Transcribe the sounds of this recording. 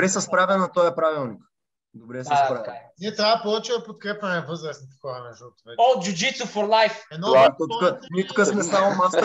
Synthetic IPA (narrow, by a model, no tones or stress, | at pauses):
ɾɛsɛspɾavʲɛnat̪ɔjɛpɾavilˠnik | d̪obɾɛsspɾavʲɛnɛt̪aːpolˠot͡ʃivˠɐpot̪̚kɾɛpɛnɛvɤzɾɐsnit̪kɔanɛʒəlˠt̪vɛod͡ʒud͡ʒit̪sufɔɾlˠajfɛnɔat̪ɔtkənit̪kəsmɛsamomas